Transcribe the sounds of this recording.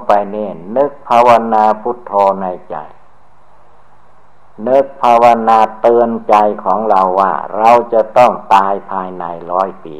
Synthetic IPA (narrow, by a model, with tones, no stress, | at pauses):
pa˧jneː˧˩nɯ˦˥k̚pʰaː˧wa˧naː˧pʰu˦˥˩t̪ʰːoː˧na˧jt͡ɕa̰˨˩j | nɯ˦˥k̚pʰaː˧wa˧naː˧t̪ɤː˧nt͡ɕa˧jkʰɔː˩˦ŋɾa˧wːa̰ː˥˩ɾa˧wt͡ɕa˧˩t̪ɔ˥˩ŋt̪aː˧jpʰaː˧jna˧jɾɔː˦˥jpḭː˨˧